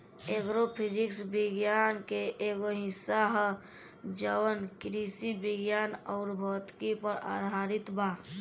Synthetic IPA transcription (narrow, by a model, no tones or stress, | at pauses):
eɡɾopʰiɾɪksbɪɡjaːnkeʔeɡoɦɪsːaɦə | d͡ʒəwənkɾisibɪɡjaːnɔːɾbʱɔːt̪kipəɾa̰ːd̪ʱaːɾɪt̪ba